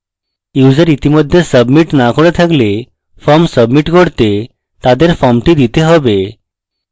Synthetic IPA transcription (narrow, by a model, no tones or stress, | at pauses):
jud͡zəɾit̪iməd̪ʱjesəbmiʈnakʰoɽet̪ʰəɡle | fəmsəbmiʈɡʱəɽt̪e | t̪ad̪eɾfɔmʈiːd̪it̪eɦɔʋe